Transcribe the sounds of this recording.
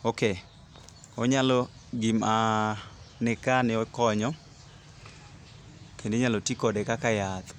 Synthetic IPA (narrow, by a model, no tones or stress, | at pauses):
oke | ɔɲalɔ | ɡima | nɪkanɪɔkɔɲɔ | kendeɲalɔtikɔdɛkakajat̪